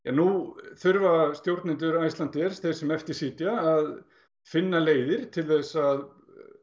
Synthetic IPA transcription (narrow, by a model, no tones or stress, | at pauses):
janːuθʏɾvast̪jowɾt̪nɪnt̪ʏɾaːjst̪lant̪ɛɾ̥sθeɾsɛmɛft̪ɪɾ̥siːt̪jaːð | fɪnːaleːjðɪɾ̥t̪ʰɪlθɛsaað